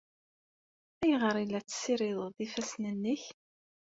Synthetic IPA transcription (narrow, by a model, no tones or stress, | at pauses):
æjʁəɾˤilːæt͡sːsiɾɪðˤðˤifæsnənːəç